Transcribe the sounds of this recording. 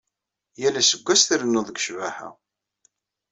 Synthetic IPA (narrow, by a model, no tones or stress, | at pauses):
jælæsəɡʷːæsθiɾənːʊðˤəɡəʃvæhæ̰